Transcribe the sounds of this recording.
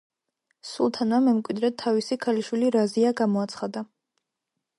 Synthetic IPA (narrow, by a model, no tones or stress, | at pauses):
sulˠt̪ʰanamɛmkʼwid̪ɾɛt̪ʰːavisikʰaliʃwiliɾaziaɡamɔat̪sʰχad̪a